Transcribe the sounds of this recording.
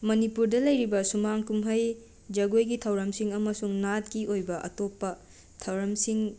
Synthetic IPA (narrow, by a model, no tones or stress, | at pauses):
mɐnipuɾdɐlɐjɾibɐsumaŋkumɦɐj | d͡ʒɐɡojɡitʰɐwɾɐmsiŋɐmɐsuŋnat̚kiojbɐʔɐ̰topːɐ | tʰɐwɾɐmsiŋ